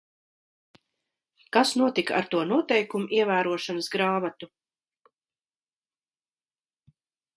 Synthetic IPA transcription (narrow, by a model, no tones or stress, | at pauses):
kasnuɔt̪ika̰ɾt̪uɔnuɔt̪ɛjkumuʔiɛvæːɾuɔʃanəsɡɾaːmat̪u